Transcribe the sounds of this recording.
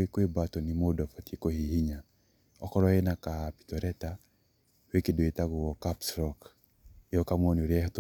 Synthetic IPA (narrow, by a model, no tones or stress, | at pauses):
ekwebatɔnimodɔfatikohihiɲa | ɔkɔɾɔenakapi̥tɔɾɛta | wekidoitaɡʊwɔkapsɾɔk | eɔkamonoɾjɛht